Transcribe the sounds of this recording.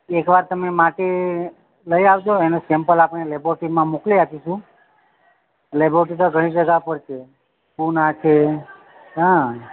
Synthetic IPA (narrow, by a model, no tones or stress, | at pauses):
ekʋaɾt̪əmemaʈe | ləjaʋd͡ʒoenosɛmpəlapɳ̃eleboʈimãmokliakiʃũ | leboʈit̪oɡʱəɽ̃ĩd͡ʒəɡapəɽt͡ʃʰe | punat͡ʃʰe | ɦã